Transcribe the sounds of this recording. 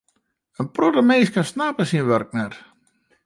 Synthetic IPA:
ənprotəmeːskansnapəsinʋørk̚nɛt

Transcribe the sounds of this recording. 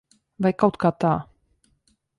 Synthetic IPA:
vajkawt̪kat̪a

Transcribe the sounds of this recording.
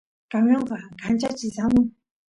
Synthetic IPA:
kaŋjɑŋkakʰat͡ɕat͡ɕisaloŋ

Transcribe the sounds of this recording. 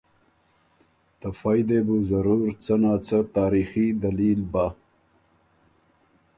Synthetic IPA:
t̪ɐfajd̪ebuzɐɾuɾt͡sənaːt͡sət̪aːɾixid̪ɐliːlba

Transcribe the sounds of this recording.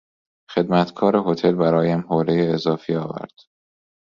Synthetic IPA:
xe̞d̪mæt̪ʰkʰɒːɾeɦo̞t̪ʰe̞lbæɾɒːjæmhoːɾejeːzɒːfiɒːvæ̰ɾd̪̥

